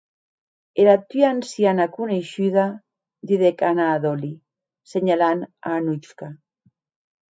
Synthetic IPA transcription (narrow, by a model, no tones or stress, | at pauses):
eɾat̪yansjanakuneʃyða | d̪iðekanaːðoli | seɲalana̰ːnut͡ʃka